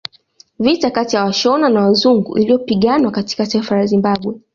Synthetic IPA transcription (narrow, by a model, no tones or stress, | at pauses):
vitakatijawaʃɔnanawazuŋɡṵʔḭlijɔpiɠanwakati̥kataifalazimbaɓwɛ